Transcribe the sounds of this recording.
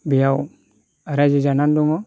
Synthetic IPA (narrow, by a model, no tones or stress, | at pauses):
bijaw | aɾad͡ʒid͡ʒananduŋɔ